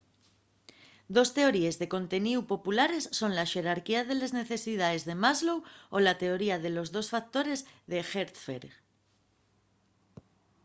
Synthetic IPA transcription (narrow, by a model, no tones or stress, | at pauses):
d̪o̞st̪e̞o̞ɾie̞zðe̞ko̞nt̪e̞niupo̞pulaɾesːo̞nlaʃe̞ɾaɾkiaðe̞lezne̞θe̞sið̞ae̞zðe̞mazlowolat̪e̞o̞ɾiað̞e̞lo̞zðo̞sfak̚t̪o̞ɾe̞zðe̞xeɾt̪fḛɾɣ